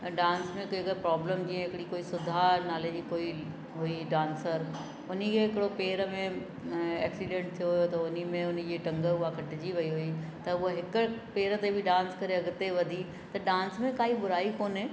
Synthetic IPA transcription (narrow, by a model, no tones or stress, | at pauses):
ɖãːnsmẽkoɪkəɾpɾaːbləmkĩẽɦɪkɪɽikoːisʊd̪ʱanaːled͡ʑiːkoːi | ɦʊiɖãːnsəɾ | ʊnikʰeɦɪkɪɽopeːɾəmẽ | eːksilẽɳʈ̚t̪ʰijoɦʊjot̪ɐʊnimẽʊn̆d͡ʑiːʈɐ̃ŋɡəʊɦakʰɐʈɪd͡ʑiʋɐiɦʊit̪ɐʊaɦɪkʊpeːɾət̪ebʱɪɖãːnskɐɾeɐɡʊt̪eʋɐd̪ʱi | t̪ɐɖãːnsmẽkaːiɓʊɾaːikoːnɦɪ̃